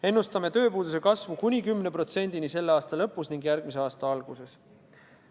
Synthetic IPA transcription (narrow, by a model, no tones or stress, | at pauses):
e̞nːust̪ɑme̞t̪ø̞ːpuːd̪us̬e̞kɑsvukunʲikymːne̞pro̞t̪se̞nʲd̪̥inise̞lːeɑːst̪ɑlɤ̞pːusniŋɡjæɾɡ̥̚mis̬e̞ɑːst̪ɑɑlɡ̥use̞s